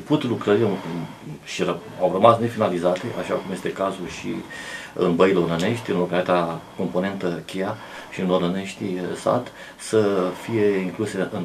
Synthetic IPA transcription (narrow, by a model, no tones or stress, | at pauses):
uput̪lukɾəɾia | ʃirə | awrəmasne̞finalizat̪e̞ʔaʃakumje̞st̪e̞kazuʃḭɨ̰nbəjleonəne̞ʃt̪ʲɨnlo̞kalit̪ako̞mpo̞ne̞nt̪əkʲeja | ʃiɨnlonəne̞ʃt̪isa̰d̪ | səfije̞iŋkluseɨn